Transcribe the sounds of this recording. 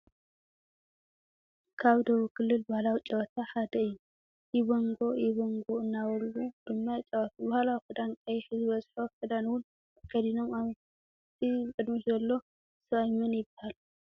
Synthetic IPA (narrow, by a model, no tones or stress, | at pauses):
kʰaβd̪ɐβukʰɨlːɨlbahlawit͡ʃʼɐwat̪ʰaħad̪ɐɨjːu | jɪβoŋɡo̞jɪβoŋɡoɨnːawɐɾwud̪̥ɨmːat͡ʃʼɐwat̪ʰbahalawikɨd̪ankʼɐjħɨzɨβɐzħokʰɨd̪anwʊn | kʰɐd̪ino̞maβ | t̪ʰikʼɨd̪miʃzɐlːo̞ | sɐβajmɐnjɪbːahalu